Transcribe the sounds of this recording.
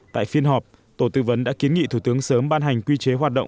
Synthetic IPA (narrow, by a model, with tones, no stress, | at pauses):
t̪a̰ː˧˨jfi˧ənɦɔ˨˩p̚ | t̪o˧˩t̪ɨ̰˧˩və˨˦nɗa̰ː˧˥ki˨˦ənŋḭ˧˨t̪ʰu˧˩t̪ɨ˨˦əŋsəː˨˦mɓaː˧nɦa˨˩jŋ̟kwi˧t͡ɕe˨˦ɦwaː˨˩t̚ɗə̰˧˨ŋ͡m